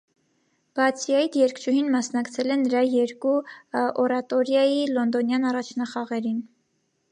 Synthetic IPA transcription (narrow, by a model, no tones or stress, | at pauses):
b̥ɑt͡sʰjɑjt̪jɛɾkʰt͡ʃʰuɦhinmɑsnɑkt͡sʰɛlɛnːəɾɑjɛɾkuɔɾɑt̪ɔɾjɑjilɔnd̪ɔnjɑnɑrɑt͡ʃʰnɑχɑʁɛɾin